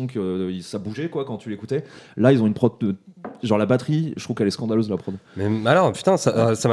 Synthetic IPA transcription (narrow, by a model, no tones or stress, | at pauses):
ɔ̃kəisabuʒɛkwakɑ̃t̪ylekut̪ɛlailzɔ̃ynpχɔd̪əʒɑ̃ʁlabat̪χiʒət̪χuvkɛlɛskɑ̃d̪aløzlapχɔd̪mɛalɔʁpy̥t̪ɛ̃sasam